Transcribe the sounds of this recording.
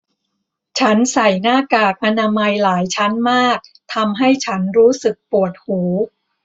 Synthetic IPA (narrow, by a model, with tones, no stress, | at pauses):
t͡ɕʰa˦˥nsa˨˩jnaː˥˩kaː˨˩k̚ʔa˧naː˧ma˧jlaː˩˦jt͡ɕʰa˦˥nmaː˥˩k̚ | t̪ʰa˧mɦa˥˩jt͡ɕʰa˦˥nɾuː˦˥sɯ˨˩k̚pu˨˩ət̪̚huː˩˦